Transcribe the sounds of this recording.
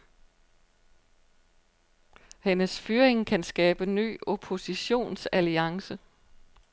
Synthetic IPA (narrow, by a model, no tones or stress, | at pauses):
henəsfyːɐe̝ŋkʰænsɡ̥ɛːb̥əny̰ːo̝pʰo̝siɕo̝̰ːnsæliɑ̈ŋsə